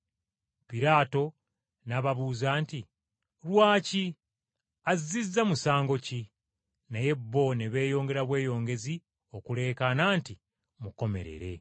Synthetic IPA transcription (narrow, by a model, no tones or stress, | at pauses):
piɾaːto̞ | naβaβuːzaːnti | ɾwaːci | azizizamusaːŋɡo̞ci | naje̞bːo̞neβe̞ːjo̞ːŋɡe̞ɾaβwe̞ːjo̞ːŋɡe̞zi | o̞kule̞ːkanaːnti | muko̞me̞̰ɾe̞̰ɾe̞̰